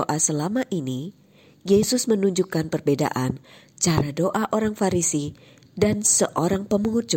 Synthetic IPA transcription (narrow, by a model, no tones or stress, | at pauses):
oʔasəlamaʔini | jesʊsmənuɲd͡ʒukanpərbeda̰ʔan | t͡ʃaɾadoʔaʔoɾaŋfaɾisi | dansəʔoɾaŋpəmuɦʊt̚d͡ʒu